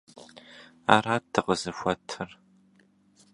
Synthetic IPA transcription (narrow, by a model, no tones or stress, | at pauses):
a̰ːraːtʰɨqəzɨfʷɔtʰɨr